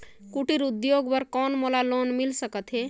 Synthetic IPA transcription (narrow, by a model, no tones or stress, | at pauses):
kuʈiɾʊd̪joːɡbəɾkɔːnmolaloːnmɪlsəkət̪ɦɛː